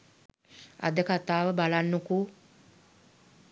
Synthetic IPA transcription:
a̰d̪əkat̪aːʋəbalanːuku

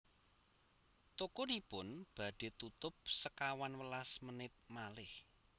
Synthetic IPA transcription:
t̪okʊnipʊnb̥ä̤ɖ̥e̤t̪ut̪ʊp̚səkawanwəlasmənɪt̪̚malɪh

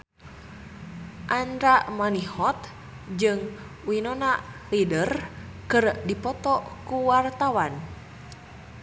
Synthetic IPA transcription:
ʔanɾaʔmanihɔt̪ | d͡ʒɨŋ | winɔnaʔlidərkɨrdipɔt̪ɔkuwart̪awan

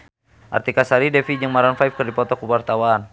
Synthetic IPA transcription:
ʔa̰rt̪ikasaɾidɛfid͡ʒəŋmaɾanfajp̚kərdipɔt̪ɔkəwart̪awaːn

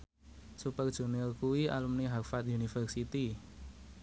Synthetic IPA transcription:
supərd̥ʒ̥ṳnilkuwiʔa̰lumniɦafat̪̚junifərsit̪i

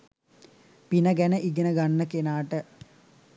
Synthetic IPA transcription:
pinəɡænəʔiɡənəɡanːəkenaːʈə

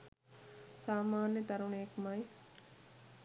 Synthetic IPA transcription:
saːmaːnjət̪ɐɾuɳejekmɐj

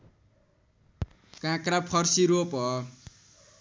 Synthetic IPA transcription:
kãkrapʰʌrsiɾopɦʌ

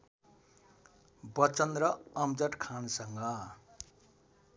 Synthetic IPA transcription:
bʌt͡sʌnɾʌʌmd͡zʌʈkʰansʌŋɡʌ

